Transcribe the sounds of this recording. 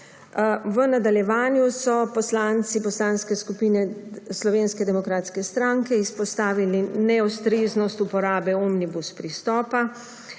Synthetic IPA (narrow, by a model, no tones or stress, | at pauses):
ʋənad̪aljɛʋaːnjusɔpɔslaːnt̪sipɔslaːnskɛskupiːnɛslɔʋeːnskɛd̪ɛmɔkɾaːt̪skɛst̪ɾaŋkɛispɔst̪aːʋilinɛɔst̪ɾeːznɔst̪upɔɾaːbɛɔmnibuspɾist̪ɔːpa